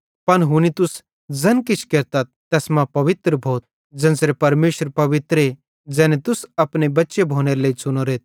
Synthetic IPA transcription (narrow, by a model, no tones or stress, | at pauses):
pɐnɦʊnit̪ʊs | d͡zɐnkɪt͡ʃʰkeːɾt̪at̪̚t̪ɛːsmãpɐʋɪt̪ɾəbʱoːt̪̚ | d͡zɐnsɾepɐɾmeːʃəɾpɐʋɪt̪ɾe | d͡zɛːnet̪ʊsɐpnebɐtːʃebʱoːneːɾleːit͡sʊnoɾeːt̪̚ʰ